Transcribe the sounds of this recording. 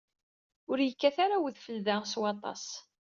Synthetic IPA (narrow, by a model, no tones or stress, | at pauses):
ʊɾjəkːæθaɾawəðfəlðæswɑt̪ˤɑ̰s